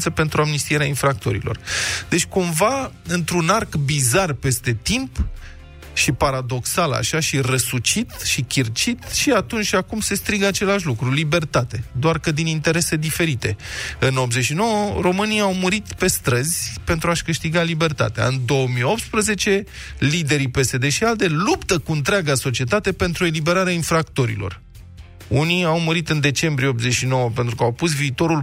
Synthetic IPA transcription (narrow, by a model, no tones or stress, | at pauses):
səpe̞nt̪ɾuamnist̪ie̞ɾeainfɾak̚t̪o̞̰ɾḭlo̞̰rd̪̥e̞t͡ʃʲkumva | ɨnt̪ɾunarkbizarpe̞st̪e̞t̪imp | ʃipaɾad̪o̞ksala̰ʃaʃirəsut͡ʃit̪ʃikʲirt͡ʃit̪ʃiat̪unt͡ʃʲakumse̞st̪ɾiɡəat͡ʃe̞laʃ̬ʲlukɾulibe̞rt̪at̪e̞d̪oarkəd̪inint̪e̞ɾe̞se̞d̪ife̞ɾit̪e̞ɨno̞pze̞ʃino̞wəro̞mɨnijawmuɾit̪pe̞st̪ɾəz̥ʲpe̞nt̪ɾuaʃkɨʃt̪iɡalibe̞rt̪a̰t̪ea̰ɨnd̪o̞əmijo̞pt̪spɾəze̞t͡ʃe̞ | lid̪e̞ɾipe̞se̞d̪e̞ʃiald̪e̞lupt̪əkuɨnt̪ɾeaɡaso̞t͡ʃie̞t̪at̪e̞pe̞nt̪ɾue̞libe̞ɾaɾeainfɾakt̪o̞ɾḭlo̞̰r | uniawmuɾit̪ɨnd̪e̞t͡ʃe̞mbɾijeopze̞ʃino̞wəpent̪ɾukəawpus̬viːt̪o̞ɾul